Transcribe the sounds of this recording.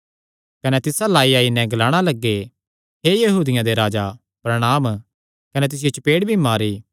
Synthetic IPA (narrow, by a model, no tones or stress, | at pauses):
kɐnɛt̪ɪsalaːiaːinɛ̃ɡlaːɽ̃alɐɡːe | ɦejɐɦuːd̪ɪjãd̪eɾaːd͡ʒa | pɾɐɽ̃aːm | kɐnɛt̪̬ɪs̬ɪjot͡ʃpeːɽbʱimaːɾiː